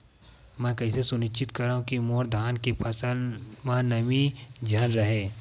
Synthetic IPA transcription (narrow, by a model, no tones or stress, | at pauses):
mɛ̃ːkɐɪsesʊnɪt͡ʃɪt̪kɐɾaːɦũkimoːɾd̪ʱaːnkepʰɐsəmanɐmid͡ʒʱɐnɾɐɦeː